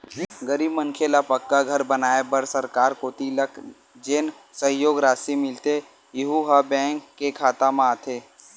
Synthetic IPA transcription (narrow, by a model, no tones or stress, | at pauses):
ɡəɾiːbmə̃ŋkʰelapɐkːaɡʱɐɾbənaːebəɾsəɾkaːɾkoːt̪ilək | d͡ʒeːn | səɦjoːɡɾaːsimɪlt̪e | jɪɦuɦɐbɛ̃ːŋkːekʰaːt̪amãːt̪ʰeː